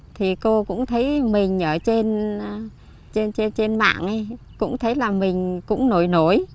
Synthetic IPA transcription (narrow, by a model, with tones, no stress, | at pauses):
t̪ʰi˨˩ko˧kʊ̰˧˥ŋ͡mt̪ʰə˨˦jmï˨˩ŋ̟ʔəː˧˩t͡ɕe˧n˧ | t͡ɕe˧nt͡ɕe˧nt͡ɕe˧nma̰ː˧˨ŋʔj | kʊ̰˧˥ŋ͡mt̪ʰə˨˦jlaː˨˩mï˨˩ŋ̟kʊ̰˧˥ŋ͡mno˧˩jno˧˩˨j